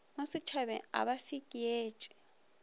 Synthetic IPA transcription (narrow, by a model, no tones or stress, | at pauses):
masɪt͡ʃʰaβɛ̰a̰βafikʼijeːt͡ʃʼi̥